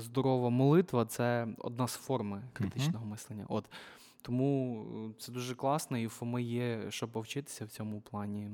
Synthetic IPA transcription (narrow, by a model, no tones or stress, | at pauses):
zd̪ɔɾɔʋɐmɔlˠɪt̪ʋɐt̪sɛɔ̰d̪̚nɑzfɔrmɪkɾɪt̪ɪt͡ʃnɔɦɔmɪslˠenʲːɐ̰ʔɔt̪ | t̪ɔmut̪sɛd̪uʒɛklˠɑsnɔifɔmɪjɛʃt͡ʃɔbpɔwt͡ʃɪt̪ɪ̥sʲɐwt͡sʲɔmʊplˠɑnʲi